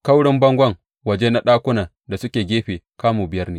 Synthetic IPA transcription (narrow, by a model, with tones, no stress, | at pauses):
ka˦wɽɪ˦mbɐ˦ŋɡʷɐ˦˨ŋ | wɐ˨d͡ʒe˦na˦ɗaː˦kʷʊ˦naː˨ | da˨sʊ˦kʲeː˨ɡʲeː˦ɸeː˨kaː˦muː˨bɪ˨jɐ˦rneː˦